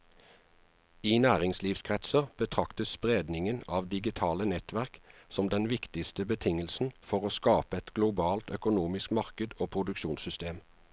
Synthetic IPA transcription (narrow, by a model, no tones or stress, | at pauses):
iːnæːʁɪŋsliːfskʰʁɛt̪səʁb̥ət̪ʰʁɑkt̪əsspʁeːd̪nɪŋənɑːʋd̪ɪɡɪt̪ʰɑːlənɛt̪ʋæʁksɔmd̪ɛnʋɪkt̪ɪst̪əbət̪ʰɪŋəlsn̩fɔʁoːskɑːpəɛt̪ɡ̥lʊbɑːlt̪œkʊnuːmɪskmɑʁkəd̪oːpʰʁʊd̪ʉkʃuːnsʏst̪eːm